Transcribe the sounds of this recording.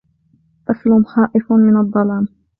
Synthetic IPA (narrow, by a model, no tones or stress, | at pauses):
ʔaslʊmxaːʔɪfmɪnɑd̪ˤːɑlɑːm